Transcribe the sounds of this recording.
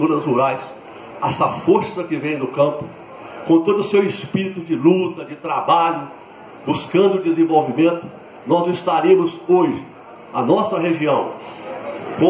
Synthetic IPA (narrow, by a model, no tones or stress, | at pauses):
uɾɐzhuɾajs | ɛsɐfoɾsɐkɪvẽj̃nʊkɐ̃pʊ | kõt̪od̪ʊsewɪspiɾit̪ʊd͡ʒɪlut̪ɐd͡ʒɪt̪ɾabaʎʊ | buskɐ̃nd̪ʊd͡ʒɪzẽvowvimẽnt̪ʊ̥ | nɔzɪst̪aɾẽmʊzoʒɪ | ɐnɔsɐɦeʒiɐ̃w̃ | kõ